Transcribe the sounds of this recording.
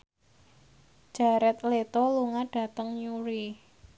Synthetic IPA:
d͡ʒ̥aɾɛt̪let̪oluŋaɖ̥a̤t̪əŋɲuɾi

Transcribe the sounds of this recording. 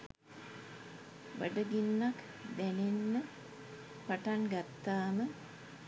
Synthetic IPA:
ʋəɖəɡinːak | d̪ænenːə | paʈanɡat̪ːaːmə

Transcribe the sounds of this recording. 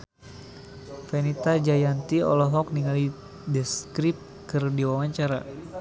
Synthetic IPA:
fɛnit̪ad͡ʒajant̪iɔ̰lɔɦɔk̚niŋali | dɛskɾip̚ | kɨrdiwawaɲt͡ʃaɾa̰

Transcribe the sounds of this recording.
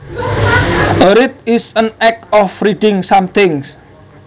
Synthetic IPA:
əɾɪt̪̚ɪsənɛk̚ɔfɾiɖɪŋsamt̪ɪŋs

